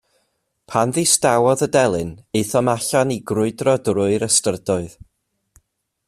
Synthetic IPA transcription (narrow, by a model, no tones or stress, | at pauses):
pʰanðistawɔðədɛlˠɨnɨθɔmaɬaniɡrʊɨdrɔdrʊɨɾəstərdɔɨð̥